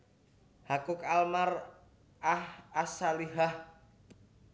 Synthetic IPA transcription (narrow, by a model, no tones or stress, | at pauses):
hakʊkalmar | ahasaliɦah